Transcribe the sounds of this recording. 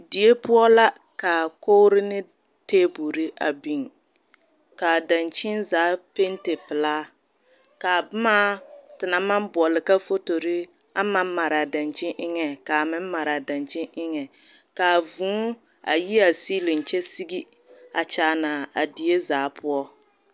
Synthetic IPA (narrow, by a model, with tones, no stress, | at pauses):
di˨e˦pʊ˦ɔ˦la˦ | ka˨ko˦ɾɪ˦nɪ˦ | teː˦bu˨ɾɪ˦ʔa̰˨bi˨ŋ | ka˨da˨nt͡ʃɪ˦nzaː˨˦pe˦ntɪ˨pɪ˨laː˦ | ka˨bʊ˦ma˦tɪ˨na˨ma˦mbʊ˨ɔ˨lɪ˨ka˦fo˦to˨ɾɪ˦ | a˦ma˦m˦ma˨ɾa˨da˨nt͡ʃɪ˦ʔɪ˦ŋɛ˨ka˨mɪ˦m˦ma˨ɾa˨da˨nt͡ʃɪ˦nʔɪ˦ŋɛ˨ | ka˨vũː˨˦ | a̰˨ji˦a˨siː˦lɪ˨n̩˨t͡ʃɛ˦si˦ɡi˦ | a˨t͡ʃaː˨˦na˨a˨di˨e˦zaː˨˦pʰʊ˦ɔ˦